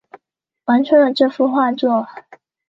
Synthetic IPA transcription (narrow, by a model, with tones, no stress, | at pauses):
wa˧˥nt͡ɕʰɥɛ˧˥nd̪ə˨ʈ͡ʂɤ˥˧fu˥˧xwa˥˧t͡swɔ˥˩